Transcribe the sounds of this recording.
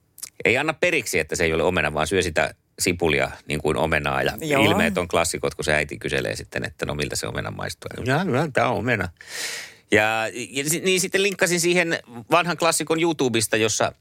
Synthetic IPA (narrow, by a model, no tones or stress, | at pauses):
ʔeiɑnːɑpperiksiet̪ːæseioleomenɑʋɑ̰ːnsyøsit̪æ̰ | sipuliɑ̰niːŋkuino̰menɑ̰ːjɑ̰ilmeːt̪oŋklɑsːikot̪kuseæit̪ikysḛlḛːsit̪ːenḛt̪ːæno̰milt̪æsḛo̰mḛnɑ̰mɑ̰ist̪uɑjɑylænt̪æ̰ːoomenɑ | jɑsiniːnsit̪ːeliŋkːɑsinsiːhenʋɑnhɑŋklɑsːikonjut̪uːbist̪ɑjosːɑ̰